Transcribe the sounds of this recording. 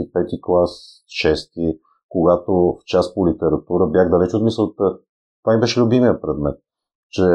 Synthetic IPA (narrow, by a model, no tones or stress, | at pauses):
ipɛt̪iklˠas | ʃɛst̪i | koɡat̪oft͡ʃaspolit̪ɛɾɐt̪uɾəbjaxd̪ɐlɛt͡ʃot̪misəlˠt̪ə | t̪vanibɛʃɛlʲubimiəpɾɛd̪mɛt̪̚ | t͡ʃɛ